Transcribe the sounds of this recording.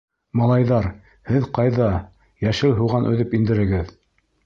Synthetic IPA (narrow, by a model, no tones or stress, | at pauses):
mɑlˠɑjðɑɾ | hɘðqɑjðɑ | jæʃɘlɦuʁɑnʔɵ̰̆ðɘpind̪ɘ̆ɾɘ̆ɡɘð